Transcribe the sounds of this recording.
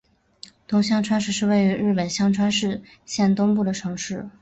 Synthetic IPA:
t̪ʊ˧˥ŋɕ̬jɑ˥ŋʈ͡ʂʰwa˥nʂɻ̩˥˧ʂɻ̩˥˧we˥˩ɪy˧˥ɻɻ̩˥˩pə˨˩nɕjɑ˥ŋʈ͡ʂʰwa˥nʂɻ̩˥˧ | ɕjɛ˥˩nt̪ʊ˥ŋpu˥˩d̪ə˩ʈ͡ʂʰɤ˧˥ŋʂɻ̩˥˩

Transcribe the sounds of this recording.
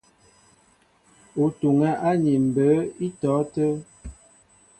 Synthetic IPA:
u˨tu˨ŋa˦ʔa˦ɲi˨m̩˨bə˨˦i˦tɔː˨˦tə˦

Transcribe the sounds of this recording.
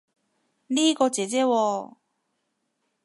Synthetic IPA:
niː˥kɔː˧t͡sɛː˨˦t͡sɛː˥wɔː˧

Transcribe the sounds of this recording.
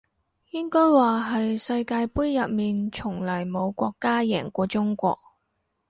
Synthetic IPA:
jɪ˥ŋkɔː˥jwaː˨˩ɦɐ˨jsɐ˧jkaː˧jpuː˥jjɐ˨p̚miː˨nt͡ʃʰʊ˨˩ŋlɐ˨˩jmo˨˧wkʷɔː˧kːaː˥jɛː˨˩ŋkʷɔː˧t͡sʊ˥ŋkʷɔ̰ː˧k̚

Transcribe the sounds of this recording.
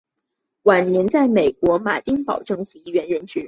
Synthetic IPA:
wa˨˩nnjɛ˧˥nt͡sa˥˩ɪme˨˩ɪkwɔ˧˥ma˨˩ɪt̪i˥ŋpɑ̰˨˩ʊʈ͡ʂɤ˥˩ŋfu˨˩i˥˩ɥɛ˧˥nɻə˧˥nʈ͡ʂɻ̩˧˥

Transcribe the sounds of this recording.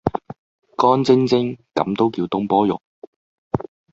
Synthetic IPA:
kɔː˥nt͡sɪ˥ŋt͡sɪ˥ŋkɐ˨˥mt̪o˥wkiː˧wt̪ʊ˥ŋpɔː˥jʊ̰˨k̚

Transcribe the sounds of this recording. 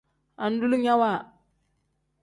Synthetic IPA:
a˨n̩˦du˦lu˦ɲa˦wa˦˨

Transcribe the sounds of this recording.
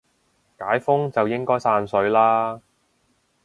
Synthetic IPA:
kaː˨˥jfʊ˥ŋt͡sɐ˨wjɪ˥ŋkɔː˥jsaː˧nsɵ˨˥ɥlaː˥

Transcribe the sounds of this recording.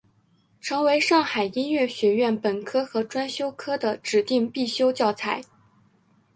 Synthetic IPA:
ʈ͡ʂʰɤ˧˥ŋwe˧˥ɪʂɑ˥˩ŋxa˨˩ɪi˥nɥɛ˥˩ɕɥɛ˧˥ɥɛ˥˩npə˨˩nkʰɤ˥xɤ˧˥ʈ͡ʂwa˥nɕjo˥ʊkʰɤ˥d̪ə˨ʈ͡ʂɻ̩˨˩t̪i˥˧ŋpi˥˩ɕjo˥ʊt͡ɕjɑ˥˩ʊt͡sʰa˧˥ɪ

